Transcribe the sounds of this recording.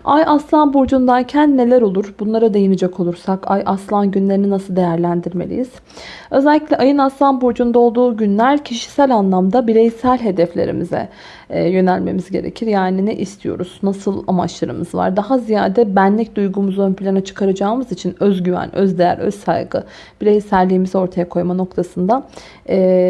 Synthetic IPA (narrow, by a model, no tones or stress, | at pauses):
ajaslˠanbuɾd͡ʒund̪aɾcʰænːe̞lʲæɾo̞lˠuɾ̥bunlˠaɾad̪e̞jinid͡ʒɛkʰo̞lˠuɾsakajʔaslˠanɟynlʲe̞ɾininasɯlˠd̪ejæɾlʲænd̪iɾme̞lʲḭjiz̥ | ø̞zɛlʲːiclʲɛʔajɯnaslˠanbuɾd͡ʒund̪ao̞lˠd̪uːɟynlʲæɾcʰiʃi̥sælʲanlˠamd̪abiɾejsælʲɦe̞d̪ɛflʲeɾḭmizɛ̰ | jø̞nælʲme̞̰mizɟe̞̰ɾḛcʰiɾjaːninɛʔist̪ʰijo̞̰ɾuz̥nasɯlˠa̰ma̰t͡ʃlˠaɾɯmɯzva̰ɾd̪aɦazijaːd̪ɛbænlʲic̚d̪ujɡumuzonpʰilʲanat͡ʃʰɯ̥kʰaɾad͡ʒaːɯmɯzit͡ʃʰinøzɟyvæ̰nøzd̪ejæ̰ɾø̰zsa̰jɡɯ̰ | b̥iɾe̞jisæɾlʲiːmizɛo̞ɾt̪ʰajakʰo̞jmano̞k̚t̪ʰasɯnd̪a | ɛː